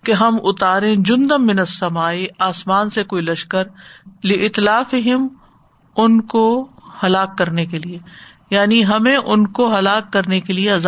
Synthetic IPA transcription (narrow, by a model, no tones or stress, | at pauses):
keɦɐmʊt̪aːɾẽd͡ʒʊ̃nd̪əmːɪnɐsːɐmaːiaːsmaːnsekoːilɐʃkəɾlɪʔɪt̪laːfɪɦɪm | ʊnkohɐlaːkːɐɾnekelie | jaːniɦɐmẽʔʊnkoɦɐlaːkːɐɾnekelieɐza